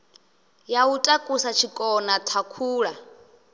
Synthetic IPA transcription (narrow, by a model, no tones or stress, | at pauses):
jautʼakʼusat͡ʃʰikʼɔnatʰakʰuːɺa